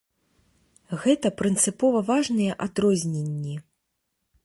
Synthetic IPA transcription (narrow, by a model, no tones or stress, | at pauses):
ɣɛt̪ɐpɾɨnt̪sɨpɔvɐvaʐnɨjɛʔad̪ɾɔzʲnʲenʲːi